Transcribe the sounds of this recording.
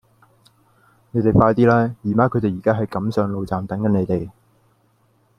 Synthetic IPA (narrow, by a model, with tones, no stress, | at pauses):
ne˨˧jt̪e˨˩jfaː˧jt̪iː˥laː˥jiː˨˩maː˧˥kʰɵ˨˧t̪e˨jiː˨˩kaː˥ɦɐ˨jkɐ˨˧˥msœː˨˧ŋlo˨˧wt͡saː˨mt̪ɐ˨˥ŋjɐ˨˥ne˨˧jt̪e˨˩j